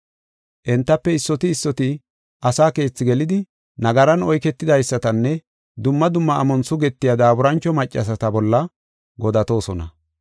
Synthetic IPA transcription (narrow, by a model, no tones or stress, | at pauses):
ʔɛnt̪ːɐpːɛɪsːɔt̪ɪːsːɔt̪ɪ | ʔɐsaːke̞ːt͡sːɪɡɛlɪd̪ɪ | nɐɡɐɾɐnɔjkɛt̪ːɪd̪ɐjsːɐt̪ɐnːɛ | d̪ʊmːɐd̪ʊmːɐːmɔnsʊɡɛt̪ːɪjɐd̪aːbʊɾɐnt͡ʃːɔmɐt͡ʃʼːɐ̰s̬ɐt̪ɐbɔlːɐ | ɡɔd̪ɐt̪o̞ːsɔnɐ̰